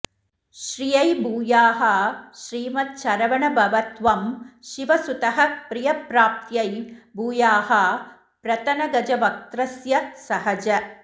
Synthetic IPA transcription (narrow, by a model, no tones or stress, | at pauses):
ʃɾijɐjbʱuːjaːɦɐʃɾiːmɐt̪̚ʃɐɾɐʋɐɳɐbɐʋɐt̪ʋɐmʃiʋɐsut̪ɐɦɐpɾijɐpɾaːp̚t̪jɐjbuːjaːɦɐ | pɾɐt̪ɐnɐɡɐd͡ʒɐʋɐk̚t̪ɾɐsjɐsɐɦɐd͡ʒɐ